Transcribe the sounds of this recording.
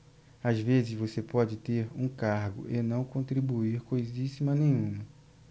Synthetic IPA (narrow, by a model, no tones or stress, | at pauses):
azvezɪzvosepɔd͡ʒɪt̪eɾũkaɾɡʊ̰ʔenɐ̃w̃kõnt̪ɾibuiɾkojzisimɐnẽj̃ũmɐ